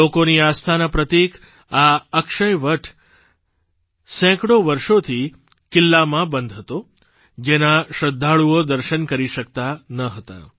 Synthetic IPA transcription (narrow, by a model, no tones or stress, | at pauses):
okoniast̪ʰanapɾət̪ik | aəkʃəjʋəʈʰ | sɛ̃kɽoʋəɾʃot̪ʰi | kɪlːamãbənd̪ʱɦət̪o | d͡ʒenaʃəd̪ʱːaɭuod̪əɾʃənkəɾiʃəkt̪anəɦət̪a̰